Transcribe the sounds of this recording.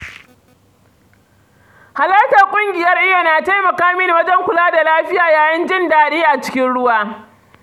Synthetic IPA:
ha˨lɐ˦ta˨kʷʼʊ˦ŋɡʲɪ˨jɐ˦rʔɪ˦ja˨naː˨ta˦jmɐ˨kaː˦mɪ˦n˦wɐ˦d͡ʒɛ˦ŋkʷʊ˨laː˦da˨laː˦ɸɪ˦jaː˨jaː˨jɐ˦nd͡ʒɪ˦ndaː˨ɗiː˦ʔa˨t͡ʃɪ̥˦kʲɪ˦nɽʊ˦waː˦

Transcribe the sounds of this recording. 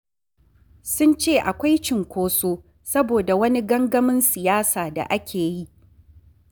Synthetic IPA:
sʊ˦nt͡ʃeː˦˨ʔa˨kʷa˦jt͡ʃɪ˨ŋkʷoː˦soː˦ | sɐ˦boː˨da˨wɐ˦ni˦ɡɐ˦ŋɡɐ˦mɪ˦nsɪ˨jaː˦saː˨da̰˨ʔa˦kʲʰeː˨ji˦ʔ

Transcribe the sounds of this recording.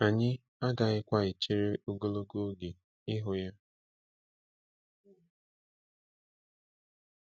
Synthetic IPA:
a˨ɲɪ˦ | a˦ɡa˨ɣɪ˦kʷa˦ɪ˨t͡ʃi˦ɾe˦u˦ɡo˦lo˦ɡo˦ɡe˨ | ɪ˦ɦʊ˨ja˦

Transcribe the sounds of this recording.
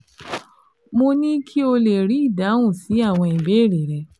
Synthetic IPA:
mo˧nĩ˦kʰi˦o˧le˨ɾi˨˦i˦˨da˨˦wũ˦˨si˨˦a˦˨w̃ɔ̃˧i˨be˨˦˨ɾe˨ɾɛ˧

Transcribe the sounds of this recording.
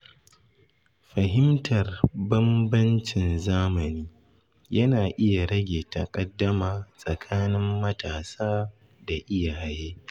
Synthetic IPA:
ɸɐ˨ɦɪ˦mtʰɐ˨rbɐ˦mbɐ˦nt͡ʃɪ˨nzaː˦mɐ˨niː˦ | jɐ˦naː˨ʔɪ˦ja˨ɽɐ˦ɡʲeː˨ta˨kʼɐ˦dːɐ˦maː˨sʼɐ˨kʰaː˦nɪ˦mːɐ˦tʰaː˨saː˦ | da˨ʔɪ˦ja˨ha˦jeː˦

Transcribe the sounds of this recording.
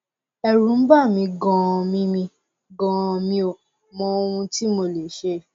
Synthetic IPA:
ɛ˧ɾu˨˦n̩˦ba˦˨mĩ˧ɡɔ̃˧mĩ˦mĩ˧ | ɡɔ̃˧mĩ˧˦o˨ | mɔ̃˧o˧wũ˧ti˦mo˧˨le˨ʃe˧˦

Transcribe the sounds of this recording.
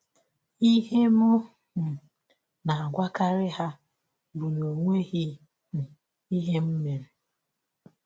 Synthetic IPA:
i˦ɦe˦mʊ˦˨ | na˨a˨ɡʷa˦ka˦ɾɪ˦ɦa˦ | bu˨no˨ŋʷe˦ɦi˦˨ | i˦ɦe˦m̩˦me˨ɾe˨

